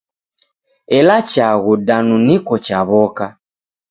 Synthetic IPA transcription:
ɛlat͡ʃaɣudanunikɔt͡ʃaβɔka

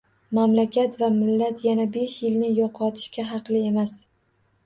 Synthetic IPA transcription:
mamlakʲat̪vamɪlːat̪janabe̞ʃjɪlnɪjɒqʰɒt̪ʰɪ̥ʃkʲaɦɑqlˠɪe̞mas

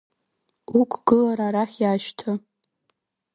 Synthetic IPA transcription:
ukʷʰʼɡ̥ɨlaɾaɾaχʲjaːʃtʰɨ

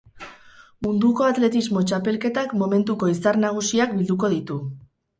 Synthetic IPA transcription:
mund̪uko̞at̪le̞t̪izmo̞t͡ʃape̞lke̞t̪akmo̞me̞nt̪uko̞isaɾnaɣ̞usiak̚bild̪uko̞ðit̪u

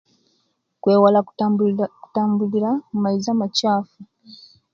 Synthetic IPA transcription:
kweːwala | ku̥taːmbuliɾamumaizamacaːfu

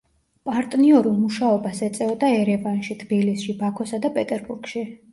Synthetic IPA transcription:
pʼaɾt̪ʼniɔɾulˠmuʃaɔbasɛt̪sʼɛɔd̪aɛɾɛvanʃit̪ʰb̥ilisʃibakʰɔsad̪apʼɛt̪ʼɛɾbuɾɡ̥ʃi

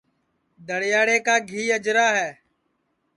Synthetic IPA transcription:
d̪əɽjaːɽeːkaːɡʱiːəd͡ʒɾaːɦɛː

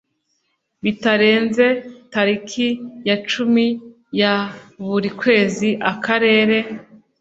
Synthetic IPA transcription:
βitaɾe̞ːnze̞taɾikʰijat͡ʃumi | jaβuɾikwe̞ːziʔakʰaɾe̞ːɾe̞

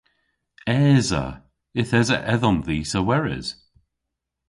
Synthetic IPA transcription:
ɛːzə̰ | ɪθɛzə̰ʔɛðɔmðiːsəwɛɹɪ̰z̥

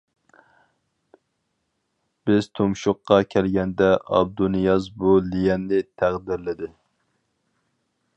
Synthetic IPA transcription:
b̥ɪz̥t̪ʰomʃʊqːɑkʲʰɛlɡʲɛnd̪ɛʔɑ̰b̚d̪unɨjɑzbulijɛnːɪt̪ʰæʁd̪ɪɾlɪd̪ɪ

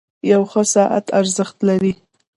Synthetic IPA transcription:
jawxəsɑʔa̰t̪aɾzəxt̪laɾi

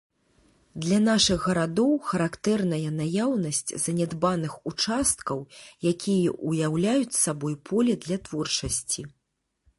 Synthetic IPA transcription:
d̪lʲɐn̪aʂɨɣːɐɾad̪ɔwxɐɾakt̪ɛrnɐjɐnajawnɐsʲt͡sʲzɐnʲɛd̪banɨxut͡ʂast̪̚kɐwjakʲʰijɛ̰ʔujawlʲajut͡sʲsabɔjpʰɔlʲɛd̪lʲɐt̪vɔrt͡ʂɐsʲt͡sʲi

